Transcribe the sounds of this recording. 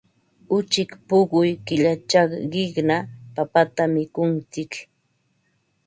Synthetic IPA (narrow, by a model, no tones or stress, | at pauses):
ʊt͡ʃɪkpʊɢʊjkɪʎat͡ʃɑχɢɪknapapat̪amɪkʊnt͡sɪk